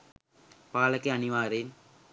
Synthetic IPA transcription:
paːɭɐkːeɐniʋaːɾɐjm

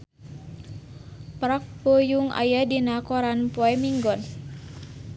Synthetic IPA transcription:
pɾak̚bojuŋa̰jadinakɔɾanpɔɛmiŋɡɔn

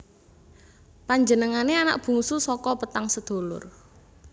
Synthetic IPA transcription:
paɲd͡ʒənəŋaneana̰ʔb̥ṳŋsusɔkɔpət̪aŋsəd̪̥o̤lʊ̰r

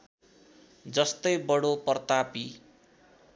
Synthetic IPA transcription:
d͡zʌst̪ʌjbʌɽopʌrt̪api

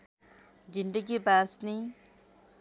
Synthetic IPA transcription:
d͡ʒɪnd̪əɡibaːsnĩ

